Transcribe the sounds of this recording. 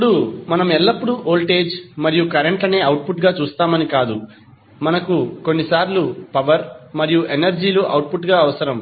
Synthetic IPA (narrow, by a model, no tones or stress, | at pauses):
ɐpːɽumɐnɐmɛlːɐpːuɽuʔoːlʈe̞ːd͡ʒmɐɾijukɐɾeɳʈlɐne̞ːɐwʈ̚puʈɡaːt͡ʃuːst̪aːmɐnikaːd̪u | mɐnɐkuko̞nːisaːɾlupɐʋɐɾmɐɾijuʔenɐɾd͡ʒiːluʔɐwʈ̚pʰuʈɡaːɐʋɐsɐɾɐm